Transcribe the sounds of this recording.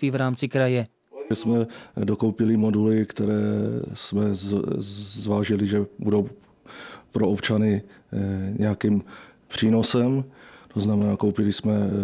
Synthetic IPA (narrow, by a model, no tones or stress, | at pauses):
iːvɾaːmt͡sɪkɾajɛ | ɛsmɛdo̞ko̞wpɪlɪmo̞dulɪkt̪ɛɾɛːsmɛ | zvaːʒɪlɪʒɛbudo̞w | pɾoopt͡ʃanɪ | ɲɛjakimpr̥iːno̞sɛmt̪oznamɛnaːko̞wpɪlɪsmɛ